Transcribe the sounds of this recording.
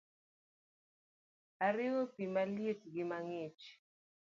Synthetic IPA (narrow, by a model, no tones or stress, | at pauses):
aɾɪwopimaljetɡɪmaŋet͡ʃ